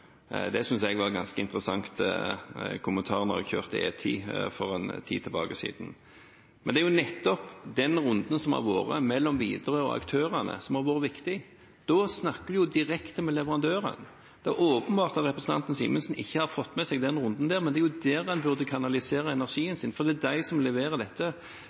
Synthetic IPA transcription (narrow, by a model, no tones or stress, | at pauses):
d̪ɛsʏnsɛɡʋɑɡɑnskəɪ̰nt̪ɾəsɑŋt̪ | kʰʊmənt̪ʰɑːʁənɔ̰ʁɑ̰çø̰ːʁt̪əḛːt̪ʰḭːfɔɾɛnt̪ʰḭːt̪ʰɪlbɑ̰ːɡəsḭːd̪n̩ | mɛnd̪ɛæɾjʊnɛt̪ːɔpd̪ɛnɾʊnd̪ən̩sɔmɑ̰ɾʋo̰ːɾə̰mɛlːɔmʋiːd̪əɾøɔ̰ɑ̰kt̪ʰøːɾænə̰sɔmhɑɾʋoːɾəʋɪkt̪ɪ | d̪̥ɔsnɑkːəd̪ɪjʊd̪ɪɾɛkt̪əmɛlɛʋəʁɑnd̪øːɾə̰n | d̪̥ɛæoːpənbɑːʁt̪ɑt̪ʁɛpɾəsn̩t̪ɑ̰nt̪ənsḭːmənsn̩ɪçːəhɑɾfɔt̪ːmɛsɛɡd̪ɛnʁʊnd̪n̩d̪æːɾmɛnd̪ɛæɾjʊd̪ɛːɾɛnbʉʁd̪əkʰɑnɑlɪseːɾəɛnæʁʂiːənsɪnfɔɾd̪ɛd̪æɪsɔmlɛʋeːʁəd̪ɛt̪ːə